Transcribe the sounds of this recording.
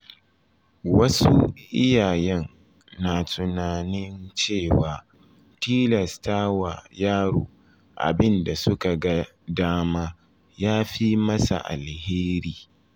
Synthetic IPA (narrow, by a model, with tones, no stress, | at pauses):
wɐ˦su˦ʔɪ˦jaː˨jɛ˦nː | aː˨tʊ˨naː˨nɪ˦nt͡ʃeː˦˨waː˨ | tiː˦lɐ˨staː˦wa̰˨jaː˦ɽo̰ː˨ | ʔa̰˨bɪ˦nda˨sʊ˦ka˨ɡa˦ | daː˦maː˦ | jaː˦ɸi˦mɐ˦sa̰˨ʔa̰˨lheː˦ɾiː˦